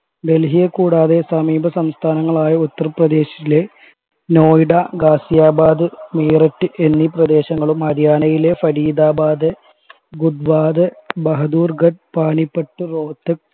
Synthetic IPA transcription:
be̞lɦijɐkːuːɽaːðe̞sɐmiːbʱɐsɐmst̪ʰaːnɐŋːɐɭaːjɐut̪ːɐrɐprɐd̪e̞ːɕɐ̥ile̞ | noːjiɽaɡaːsijaːbaːd̪ɨmeːrɐʈːɨʔe̞nːiprɐd̪e̞ːɕɐŋːɐɭumɐd̪ʱjaːnɐjile̞fɐɽiːd̪aːbaːd̪ɨ | ɡud̪ʋaːd̪ɨbɐɦɐd̪uːrɡɐɖ̚paːnipːɐʈːɨro̞ːt̪ːɐk

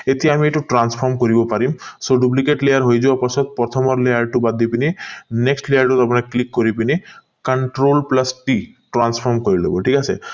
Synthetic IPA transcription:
et̪iaamieʈuʈɾanspʰɔɾmkoɾibɔpaɾimsoɖup̬likeʈlejaɾɦojd͡ʒuapɔsʰɔt̪̚pɾɔt̪ʰɔmɔɾlejaɾʈubad̪ipinineksʈlejaɾʈut̪apɔnaklikːoɾipini | kaɳʈɾolplasʈiʈɾanspʰɔɾmkoɾilḛbɔʈʰikasʰḛ

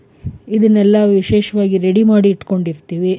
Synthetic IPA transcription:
id̪ɐnːɛlːɐʋiʃeːʃɐʋaːɡiɾeɽimaːɽiːʈko̞ɳɖiɾt̪iːʋi

